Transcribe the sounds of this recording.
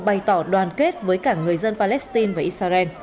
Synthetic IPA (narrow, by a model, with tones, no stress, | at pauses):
ɓa˨˩jt̪ɔ˧˩ɗwaː˨˩nke˦˥t̚vəː˨˦jkaː˧˩ŋɨ˨˩əjzə˧npaː˧lɛ˦˥st̪i˧nvaː˨˩ʔi˧t̚saː˧zɛ˧n